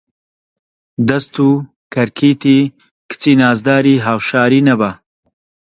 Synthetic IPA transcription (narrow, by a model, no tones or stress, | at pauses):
d̪ɐst̪uː | kʰɐɾkʰiːt̪iː | kɨ̥t͡siːnaːzd̪aːɾiːɦaːwʃaːɾiːnɐba